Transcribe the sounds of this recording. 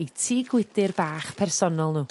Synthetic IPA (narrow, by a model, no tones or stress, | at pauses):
itʰiːɡwɪdɪrbaːχpʰɛrsɔnɔlˠnuː